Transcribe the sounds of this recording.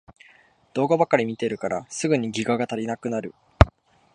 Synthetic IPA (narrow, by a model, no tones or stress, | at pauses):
d̪̥o̞ːɡabakːaɾʲimʲit̪e̞ɾɯ̟kaɾasɨɡɯ̟ɲ̟iɡʲiɡaɡat̪aɾʲinakɯ̟naɾɯ̟